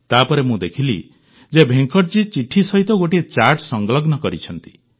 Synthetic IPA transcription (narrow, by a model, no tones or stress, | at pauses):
t̪apɔɾemũd̪ekʰilḭ | d͡ʒebʱeŋkɔʈd͡ʒit͡ʃiʈʰisɔɦit̪ɔɡoʈiet͡ʃaɾʈsɔŋɡlɔɡnɔkɔɾit͡ʃʰɔnt̪i̥